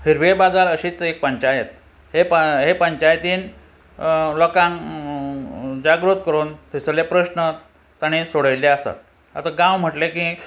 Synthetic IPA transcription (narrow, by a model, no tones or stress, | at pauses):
hiɾʋiebad̪aləɕiːt͡sek̚pəɲt͡ɕajet̪ | ɦepɦepəɲt͡ɕajt̪iːn | lɔkãŋ | d͡ʑaɡɾut̪kəɾuːnt̪ʰisəlepɾəɕnə | t̪aɽ̃isoɽəjleəsa̰t̪̚ | a̰t̪aɡãwm̤əʈleki